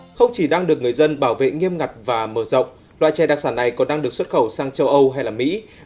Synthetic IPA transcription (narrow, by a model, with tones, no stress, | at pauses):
xə˧wŋ͡mt͡ɕi˧˩ɗaː˧ŋɗɨ˨˩ək̚ŋɨ˨˩əjzə˧nɓaː˧˩wvḛ˧˨ŋi˧əmŋa˨˩t̚vaː˨˩məː˧˩zə̰˧˨wŋ͡m | lwa̰ː˧˨jt͡ɕɛ˧˩ɗaː˨˩k̚saː˧˩nːa˨˩jkɔ˨˩nɗaː˧ŋɗɨ˨˩ək̚swə˦˥t̚xə˧˩wsaː˧ŋt͡ɕə˧wʔə˧wɦa˧jlaː˨˩mḭ˧˥